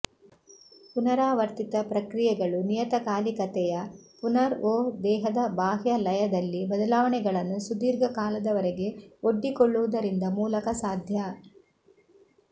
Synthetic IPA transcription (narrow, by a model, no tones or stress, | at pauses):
punɐɾaːʋɐɾt̪it̪ɐpɾɐkɾijɛɡɐɭunijɐt̪ɐkaːlikɐt̪ɛjɐpunɐɾoːd̪ɛːɦɐd̪ɐbaːɦjɐlɐjɐd̪ɐlːibɐd̪ɐlaːʋɐɳɛɡɐɭɐnːusud̪iːɾɡɐkaːlɐd̪ɐʋɐɾeɡe̞o̞ɖːikoɭːuʋud̪ɐɾind̪ɐmuːlɐkɐsaːd̪ʱjɐ